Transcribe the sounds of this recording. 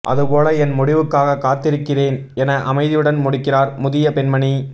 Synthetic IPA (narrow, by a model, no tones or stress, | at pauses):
ʔɐ̰ðɯpoːlɐɛnmʊɽɪʋɯkːaːɣɐkːaːt̪ːɪɾɯkːɪreːn | ɛnɐʔɐmɐɪðɪjɯɽɐnmʊɽɪkːɪraːɾmʊðɪjɐpɛnmɐɳi